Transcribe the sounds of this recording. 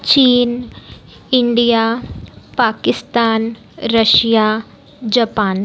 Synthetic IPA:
t͡ʃiːn | ɪɳɖijaːpaːkɪst̪aːn | ɾəʃjaː | d͡ʒɐpaːn

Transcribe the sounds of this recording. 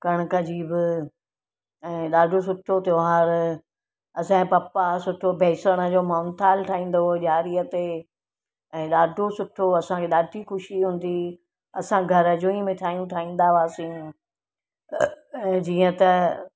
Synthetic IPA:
kɐɽ̃kɐd͡ʑiːbɪ | ɛ̃ːɗaːɖʱos̬ʊʈʰot̪joaːɾ | ɐsãpɐpasʊʈʰobʱɛːsəɽ̃əd͡ʑoːmaːnt̪ʰaːlʈʰaːĩːn̆d̪oʄaːɾiət̪e | ɛ̃ːɗaːɖʱosʊʈʰoɐsãkʰeːɗaːɖʱixʊʃiɦũːn̆d̪i | ɐsãɡʱɐɾəd͡ʑõːĩmẽʈʰaːijũʈʰaːĩːn̆d̪aʋaːsĩː | d͡ʑiːə̃t̪ɐ

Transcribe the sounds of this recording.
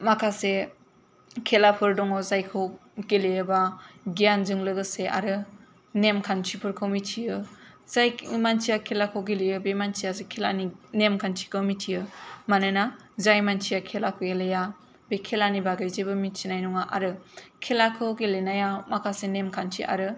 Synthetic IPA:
makʰase | kʰelapʰɯɾdɔŋɔzajkʰɯwɡelejɯbaɡijanzɯŋlɯɡɯseʔa̰ɾɯ | nemkʰant͡ʃʰipʰɯɾkʰɯwmitʰijɯ | zajmant͡ʃijakʰelakʰɯwɡelejɯbemant͡ʃʰijasekʰelaninemkʰant͡ʃʰi̥kʰɯwmitʰijɯmanɯnazajmant͡ʃʰijakʰelakʰɯwɡeleja | bekʰelanibaɡajzebɯmit͡ʃʰinajnɔŋaʔa̰ɾɯkʰelakʰɯwɡelenajamakʰasenemkʰant͡ʃʰḭʔa̰ɾɯ

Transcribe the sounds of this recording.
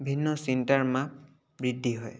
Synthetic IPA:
bʱinːɔsintaɹmap̚ | bɹidʱːiɦɔj

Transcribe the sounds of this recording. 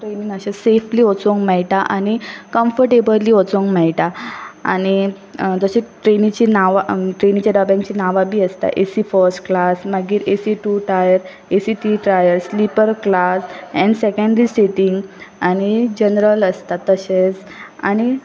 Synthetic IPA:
ʈɾenĩŋəɕesefliːɔt͡soŋkmɛɭʈaʔañikə̃mfəɾʈebəliːɔt͡soŋkmɛɭʈaa̰ɽ̃i | d͡z̪əɕẽʈɾenit͡ɕinaʋaʈɾenĩt͡ɕjaɖabãŋkt͡ɕinaʋabʱiːəst̪a̰ʔḛsifəɾsʈklasmaɡiːɾesiʈuʈɾajəɾ | esiʈiʈɾajəɾslipəɾklasɛ̃ɳɖsɛkə̃ɳɖɾiseʈiŋɡañid͡ʑənɾələst̪at̪ːəɕet͡s | a̰ñi

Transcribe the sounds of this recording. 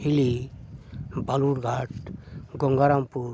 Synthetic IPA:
hili | bʱaluɾɡʱaʈɡɔŋɡaɾampuɾ

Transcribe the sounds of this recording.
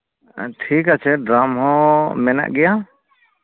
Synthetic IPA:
ʈʰikat͡ʃʰɛɖɾamɦɔ̃mɛna̰ʔɡɛja

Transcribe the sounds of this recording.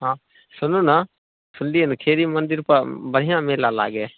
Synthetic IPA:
ɦãː | sʊnũːna | sʊnd̪iənkʰeːɾimənd̪ɪɾpɐɾbəɽ̤ɪjãːmeːlaːla̰ːɡeː

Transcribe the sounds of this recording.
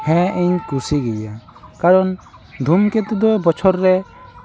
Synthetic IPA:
hɛ̃ʔiɲkusiɡɛja | kaɾɔn | d̪ʱumkɛt̪ud̪ɔbɔt͡ʃʰɔɾːɛ

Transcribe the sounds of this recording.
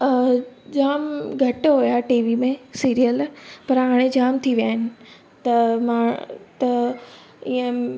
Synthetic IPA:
d͡ʑaːmɡʱɐʈɦojaʈiːʋimẽsiːɾijəlpɐɾɦaːɽ̃ẽd͡ʑaːmt̪ʰiʋijaːɦɪnɪ̆ | t̪ɐmãːt̪ɐ | iə̃

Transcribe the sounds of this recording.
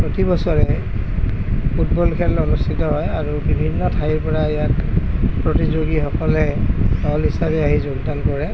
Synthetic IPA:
pɹotibɔsɔɹɛ | put̚bɔlkʰɛlonustʰitɔɦɔjaɹubibʱinːɔtʰajiɹpɔɹaɛjakpɹotizoɡixɔkɔlɛdɔlɦisabɛaɦizɔɡdankɔɹɛ

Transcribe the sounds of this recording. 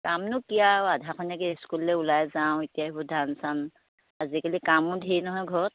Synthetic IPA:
kamnʊkijawadʱakʰɔnakɛskulːɛulajzaʊ̃itijaɦibudʱansan | azikalikamʊdʱejnɔɦɔjɡʱɔt̚

